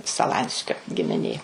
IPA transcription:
sɐˈlˠɐnʲsʲkʲoː ɡʲɪmʲɪˈnʲeː

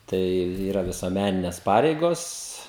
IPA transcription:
ˈtɐɪ ˈiːrɐ ʋʲɪsuɔˈmʲænʲɪnʲɛs ˈpɑːrʲɛɪɡoːs

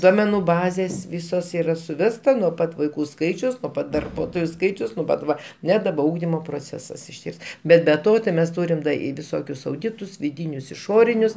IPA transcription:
ˈduɔmʲɛnʊ ˈbɑːzʲeːs ˈʋʲiːsoːs ˈiːrɐ sʊˈʋʲæːstɐ nuɔ ˈpɐt ʋɐɪˈkuː ˈskɐɪt͡ʃʲʊs nuɔ ˈpɐt dɐrˈbuɔtoːjʊ ˈskɐɪt͡ʃʲɛʊs nuɔ ˈpɐt ˈʋɐ ˈnʲɛ dɐˈbɐ ˈuːɡdʲɪmoː proːˈt͡sʲæːsɐs ɪʃʲˈtʲiɛs ˈbʲɛt bʲɛ ˈtoː tɐɪ ˈmʲɛs ˈtuːrʲɪm dɐ ɪ ʋʲɪˈsoːkʲʊs ɐʊˈdʲɪtʊs ʋʲɪˈdʲiːnʲʊs ɪˈʃoːrʲɪnʲʊs

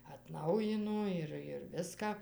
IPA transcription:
ɐtˈnɐʊjɪnoː ɪr ɪr ˈʋʲɪskɑː

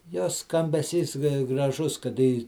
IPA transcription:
ˈjoːs skɐmʲbʲɛˈsʲiːs ɡrɐˈʒʊs kɐˈdɐ iː

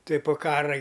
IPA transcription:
ˈtuɔj poː ˈkɑːrɐ ɡʲɪ

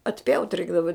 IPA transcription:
ɐtʲˈpʲjɛʊtʲ ˈrʲɛɪɡdɐʋɐ

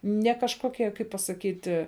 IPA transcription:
nʲɛ kɐʃkoːˈkʲiɛ kɐɪp pɐsɐˈkʲiːtʲɪ

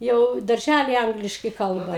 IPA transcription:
ˈjɛʊ dɐrʲˈʒʲælʲɪ ˈɐŋɡlʲɪʃkɐɪ ˈkɐlˠbɐ

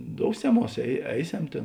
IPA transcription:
ˈdoːʊsʲɛˌmuɔs ɛɪ ˈɛɪˌsʲɛm ˈtʲeːn

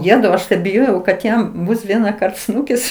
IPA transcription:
ˈjæːtɐʊ ˈɐʃ tɐɪ bʲɪˈjoːjɛʊ kɐt ˈjɛm ˈbʊs ˈʋʲiɛnɐkɐrt ˈsnuːkʲɪs

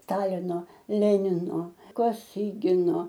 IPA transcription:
ˈstɑːlʲɪnoː ˈlʲæːnʲɪnoː koːˈsʲiːɡʲɪnoː

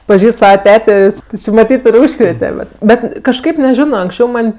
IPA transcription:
pɐˈʒʲiːst ˈsɑːʋɐˈtʲæːtʲeː jɪs tʲɪ t͡ʃʲɪ mɐˈtʲiːt ɪ ˈuːʃkrʲeːtʲɛ bʲɛt ˈbʲɛt kɐʃˈkɐɪp nʲɛˈʒʲɪnoː ɐŋksʲˈt͡ʃʲɛʊ ˈmɐnʲ

